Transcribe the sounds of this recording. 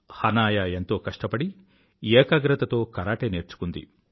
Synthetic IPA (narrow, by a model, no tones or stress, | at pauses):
hɐnaːjaːent̪o̞ːkɐʂʈɐpɐɽi | ɛːkɐɡɾɐt̪ɐt̪o̞ːkɐɾaːʈeːneːɾt͡ʃu̥kund̪ḭ